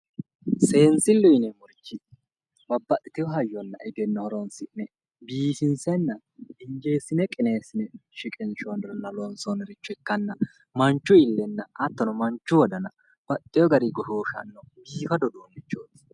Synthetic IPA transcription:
se̞ːnsɪlːʊjnɛmʊɾt͡ʃːɪ | bɐbːɐt̪ʼːɪt̪ɪjɔɦɐjːɔnːɐ̰ʔɪd̪ɛnːɔhɔɾɔnsɪʔnɛ | biːtɪnsɛnːɐ | ɪnd͡ʒeːsɪnɛkʼɪne̞ːsɪnɛʃɪkʼɪnt͡ʃɔnd̪ɾɔnːɐlɔnsɔnɛɾɪt͡ʃːʊɪkːɐnːɐ | mɐnt͡ʃːʊɪlːɛnːɐɐt̪ːɔnɔmɐnt͡ʃːʊwɔd̪ɐnɐ | b̥ɐt̪ʼːɪjɔɡɐɾiɡɔhoːʃɐ̰nːɔbiːfɐd̪ɔd̪oːmɪt͡ʃːoːt̪

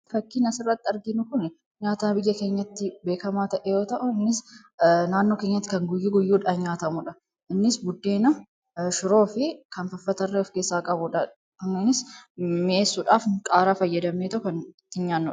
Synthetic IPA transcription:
fɐkːiːnɐsɪrːɐt̪ːɪɐɾɡɪnʊkʊnɛ | ɲaːt̪aːnbɪjːɐke̞ːɲːɐt̪ːɪbe̞ːkɐmaːt̪ɐʔɛjo̞ːt̪ɐʔʊɪnːɪs | naːnːo̞ːke̞ːɲːɐt̪ːɪ̥kɐŋɡʊjːiɡʊjːuːᶑɐɲaːt̪ɐmʊᶑɐ | ʔɪnːɪsbʊd̪ːe̞ːnɐ | ʃʊɾo̞ːfɪkɐnfɐfːɐt̪ɐrːɛɔfkeːsːaːkʼɐbʊᶑɐ | ɐnːunɪsmɪʔe̞ːsːuᶑaːfkʼaːɾaːfɐjːɐd̪ɐmeːt̪ɐʔʊkɐnɪt̪ːɪɲaːnːʊᶑɐ

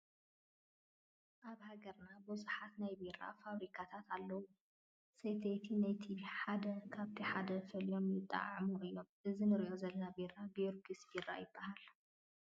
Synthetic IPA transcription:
ʔaβhaɡɐɾnabuzuħat̪najbeɾa̰faβɾikʰat̪ʰat̪ʰalːɐwu | sejt̪ʰet̪ʰinajt̪ʰiħad̪ɐkʰaβt̪ʰiħad̪ɐfɐlijo̞mjɪt̪ʼːa̰ʕʕmuʔijo̞mʔɨzinɨɾiʔo̞zɐlɐnabeɾabeɾɡɨsbiɾa̰jɪbːahal

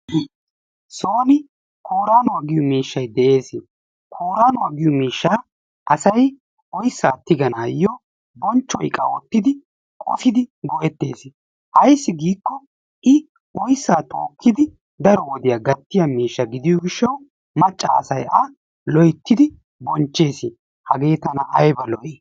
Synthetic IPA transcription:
soːnɪ | kʰoːɾaːnɔwaɡɪjɔmiːʃːɐjd̪ɛʔe̞ːsɪ | kʰoːɾaːnɔwaɡɪjɔmiːʃːaː | ʔɐsɐj | ɔjsːaːt̪ːɪɡɐnaːjɔ | bɔnt͡ʃːɔ̰jkʼɐ̰wɔt̪ːɪd̪ɪ | kʼɔ̰fɪd̪ɪɡɔjɛt̪ːe̞ːs | hɐjsːɪɡiːkːɔ | ʔɪ | ɔjsːaːt̪oːkʰːɪd̪ɪ | d̪ɐɾɔwɔd̪ɪjaɡɐt̪ːɪjɐmiːʃːɐɡɪd̪ɪjɔɡɪʃːɐw | mɐt͡ʃʼːa̰ɐ̰sɐjɐ | lɔjɪt̪ːɪd̪ɪ | bɔnt͡ʃːe̞ːsɪ | hɐɡe̞ːt̪ɐnɐʔɐjbɐlɔʔe

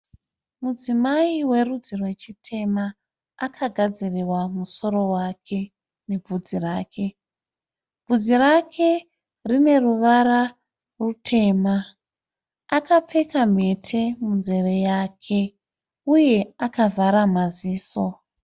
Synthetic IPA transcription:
mud͡zimaiwe̞rud͡zirwe̞t͡ʃitʰe̞maː | kʰaɡʱad͡ziriwamuso̞ɾo̞wakʰe̞ | ne̞b͡vud͡ziraːkʰe̞ | bud͡zirakʰe̞ | rine̞ruʋara | rutʰe̞ːma | akap͡fe̞kam̤e̞tʰe̞munze̞ʋe̞jakʰe̞ | uje̞akavʱaɾamaziːso

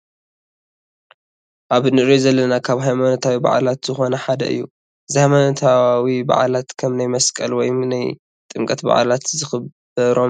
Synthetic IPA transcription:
ʔaβnɨʔɾizɐlːɐnakʰaβɦajmanɐt̪ʰawiba̰ʕ̰lat̪z̥ɨxo̞nɐħad̪ɐ̰ʔɨ̰jːu | zihajmanɐt̪ʰawiba̰ʕalat̪kʰɐmnajmɐskʼɐlwɔjnaj | t̪ʼɨmkʼɐt̪ba̰ʕ̰lat̪zɨxɨbɐɾo̞m

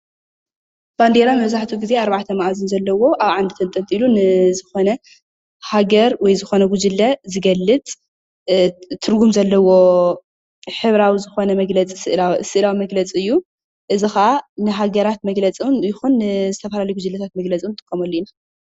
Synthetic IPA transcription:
b̥and̪eɾamɐβzaħt̪ʰuɡizeaɾβaʕt̪ʰɐmaʔzɨnzɐlːɐwo̞ʔaβʕand̪ɨt̪ʰɐnt̪ʼɐnt̪ʼilunɨzɨxo̞nɐ | haɡɐɾwɔjzɨxo̞nɐɡud͡ʒɨlːɐzɨɡɐlːɨt̪ʼ | t̪ʰːɨɾɡumzɐlːɐwo̞ | ħɨβɾawizɨxo̞nɐmɐɡlɐt͡sʼisɨʔlasɨʔɨlawimɐɡlɐt͡sʼiɨjːu | ʔɨzixɐʔanɨɦaɡɐɾat̪̚mɐɡlɐt͡sʼiwnjɪxunːzɨt̪ʰɐfɐlalɐjɡud͡ʒɨlːɐt̪ʰat̪̚mɐɡlɐt͡sʼiwnt̪ʼɨ̥kʼːɐmɐlːina

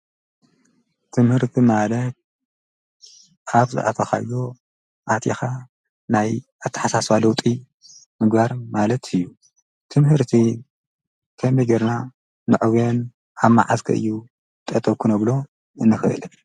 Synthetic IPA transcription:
t̪ʰɨmhɨɾt̪ʰimalɐt̪̚ | aβzɨ̰ʔa̰t̪ʰɐxa̰jdo | ʔat̪ʰixa | naj | at̪ʰːɐ̥ħasaswalɐwt̪ʼi | mɨɡbaɾmalɐt̪ʰɨjːu | t̪ʰɨmhɨɾt̪ʰi | kʰɐmiɡɐɾna | nɨʕɨwen | ʔamːa̰ʕazkʰɐ̰ʔɨ̰jːu | t̪ʼɐt̪ʼːɐkʰunɐβlo̞ | ɨnːɨxɨʔɨ̰l

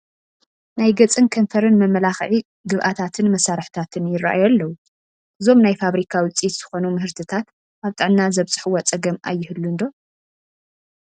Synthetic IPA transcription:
najɡɐt͡sʼɨnkʰɐnfʰɐɾɨnmɐmɐlaxʕi | ɡɨβʔat̪ʰat̪ʰɨnmɐsaɾħt̪ʰat̪ʰɨnjɪra̰ʔajalːɐwu | ʔɨzo̞mnajfaβɾikʰawɨt͡sʼit̪z̥ɨxo̞numɨɦɨɾt̪ʰɨt̪ʰat̪ | ʔaβt̪ʼɨʕnnazɐβt͡sʼɨ̥ħuwɐt͡sʼɐɡɐmʔa̰jːɪhɨlːund̪o̞

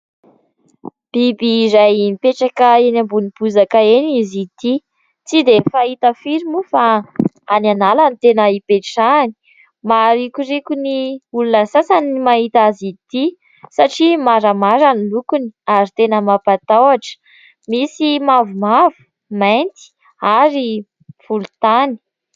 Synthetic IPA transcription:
b̥ibizajinipeʈ͡ʂakəenambunipuzakəenizit̪i | t͡sid̪efait̪əfiɾimufa | ananalanit̪enəipeʈ͡ʂani̥ | maɾikʲurikʲuniulunəsasanimaɦit̪azit̪i | saʈ͡ʂimaɾəmaɾanilukuni̥aɾit̪enəmapat̪awaʈ͡ʂə̥ | misimavumavu̥ | mant̪i̥ | aɾi | fulut̪ani̥

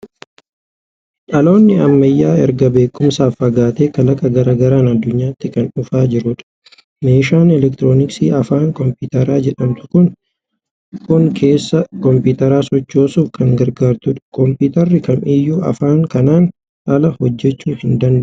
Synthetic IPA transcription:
ʔɐlo̞ːnːɪɐmːɐjːaːɛɾɡɐbe̞ːkːʊmsaːfːɐɡaːt̪e̞ːkɐlɐkɐɡɐɾaːɡɐɾaːnɐd̪ːʊɲːaːt̪ːɪkɐnʊfaːd͡ʒɪɾʊᶑɐ̥ | me̞ːʃaːnɛlɛk̚t̪ɪɾo̞ːnɪksiːɐfaːŋkɔmpuːt̪ɐɾaːd͡ʒɛᶑɐmt̪ʊ̥kʊŋ | kʊŋkʰe̞ːsːɐkɔmpuːt̪ɐɾaːsɔt͡ʃːo̞ːsuːfkʰɐŋɡɐɾɡaːɾt̪ʊᶑɐ̥kɔmpiːt̪ɐrːɪkɐnʔɪjːuːɐ̰faːŋkɐnaːn | ɐlɐhɔd͡ʒːɛt͡ʃːuːhɪnd̪ɐnd̪ɐ

